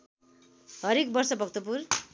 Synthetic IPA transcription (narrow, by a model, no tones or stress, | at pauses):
ɦʌɾek̚bʌrsʌbʱʌk̚t̪opur